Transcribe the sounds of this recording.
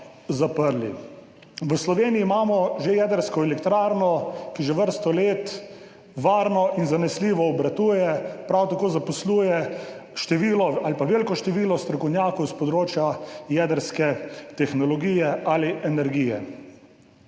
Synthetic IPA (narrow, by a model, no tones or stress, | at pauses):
zapəɾlḭ | ʋəslɔʋeːniiːmaːmɔʒejɛːd̪əɾskɔɛlɛkt̪ɾaːɾnɔkiʒɛʋəɾst̪ɔleːt̪ | ʋaːɾnɔʔinzanɛsliːʋɔːbɾat̪uːjɛpɾawt̪akoːzapɔsluːjɛʃt̪ɛʋiːlɔalpaʋeːlkɔʃt̪ɛʋiːlɔst̪ɾɔkɔwnjaːkɔwspɔd̪ɾoːt͡ʃjajɛːd̪əɾskɛt̪ɛxnɔlɔɡiːjɛaliʔɛnɛɾɡijɛ̰